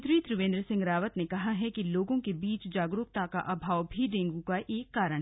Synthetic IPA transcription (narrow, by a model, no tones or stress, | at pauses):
t̪ɾiːt̪ɾʊʋẽːnd̪ɾəsɪ̃ŋɡɾaːʋət̪nekɐɦaɦɛkiloːɡõkebiːt͡ʃd͡ʒaːɡɾuːk̚t̪aka̰ʔɐbʱaːʋbʱiɖẽːŋɡukaʔeːkːaːɾəɽ̃